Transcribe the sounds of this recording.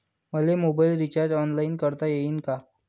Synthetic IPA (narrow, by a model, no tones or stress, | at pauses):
məlemobailɾit͡ɕaɾd͡ʑɔnlainkəɾt̪ajeinka